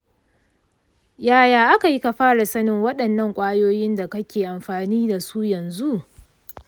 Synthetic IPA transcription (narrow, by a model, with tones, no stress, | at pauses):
jaː˦jaː˨ʔa˦ka˨ji˦ka˨ɸaː˦ɽa˨sɐ˦nɪ˦ŋwɐ˦ɗɐ˨nːɐ˦˨ŋkʷʼaː˦joː˦jɪ˦nda˨kɐ˦kʲeː˨ʔa˨mɸaː˨niː˦da˨su˦jɐ˨nzu˦ʔ